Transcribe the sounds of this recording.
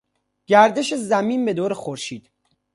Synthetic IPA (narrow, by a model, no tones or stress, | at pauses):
ɟ̥æɾd̪eʃezæmiːmbe̞d̪oːɾexoɾʃiːd̪̥